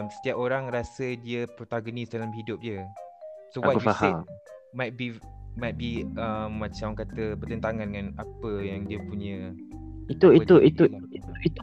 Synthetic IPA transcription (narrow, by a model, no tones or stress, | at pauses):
msə̥t̪iapoɾaŋɾasədiəpɾot̪aɡonisdalamɦidʊp̚diə | soawaəashemmajt̪̚bimajt̪̚biəmːãt͡ʃamkat̪əbərt̪ənt̪aŋãndəŋanapəjaŋdiəpuɲə̃ | it̪uit̪uʔit̪u | iit̪u